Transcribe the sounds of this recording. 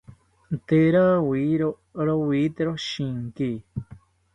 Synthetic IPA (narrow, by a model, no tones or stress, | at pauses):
t̪eɾawiɾo | ɾowit̪eɾoʃĩŋki